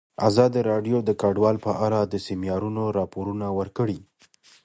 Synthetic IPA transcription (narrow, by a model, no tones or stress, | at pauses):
a̰zɑd̪iɾɑɖjod̪əkaɖwɑlpəʔaɽad̪əsimjɑɾunoɾɑpoɾunawəɾkəɽi